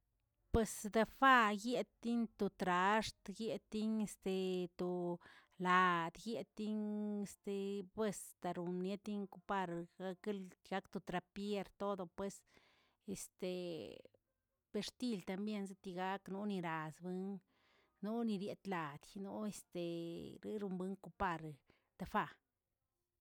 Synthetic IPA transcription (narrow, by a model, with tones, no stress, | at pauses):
pwe˧sd̪a˧fa˦je˦t̪ːi˦nt̪o˧t̪ɾa˧ʂt̪ɡje˧˦t̪ːi˦ɲe˧st̪e˨t̪o˨ | la˨d̪je˦t̪ːi˦ɲe˧st̪e˧bwe˧st̪a˧ɾu˨nje˦t̪i˦ŋku˧pa˧ɾɡa˧ke˦lɡa˦kt̪o˧t̪ɾa˨pje˦ɾt̪o˦d̪o˧pwe˧s | e˨st̪e˨ | b̥e˧ɾt̪i˦lt̪a˧mbje˦˧nz̬e˦t̪i˧ɡa˧˦knu˦ni˧ɾa˨sbɨ˦ŋ | nu˦ni˧ɾje˧t̪la˨d̪nu˦e˧st̪e˨ɾḭ˦ɾu˧mbɨ˦ŋku˧pa˧ɾ | t̪a˧fa˧